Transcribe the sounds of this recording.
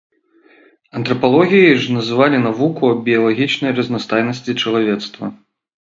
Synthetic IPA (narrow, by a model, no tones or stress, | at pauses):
ɐnt̪ɾɐpalˠɔɣʲijiʐnɐzɨvalʲinavukuɐbʲijɐlˠaɣʲit͡ʂnɐjrɐznast̪ajnɐsʲt͡sʲit͡ʂɐlˠavʲɛt̪st̪vɐ̰